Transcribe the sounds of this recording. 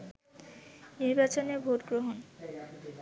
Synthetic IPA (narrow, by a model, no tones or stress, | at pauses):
niɾbat͡ɕonebʱoʈɡɾoɦon